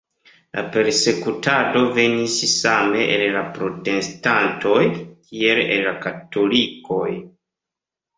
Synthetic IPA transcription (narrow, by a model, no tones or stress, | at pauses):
lʔa̰pe̞ɾse̞kutado̞ve̞nissame̞ʔellapɾo̞te̞stantʰo̞jkie̞lḛnlakato̞liko̞j